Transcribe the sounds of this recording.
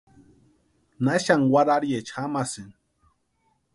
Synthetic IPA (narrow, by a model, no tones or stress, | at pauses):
naʃaŋwaɾaɾjet͡ʃxamasin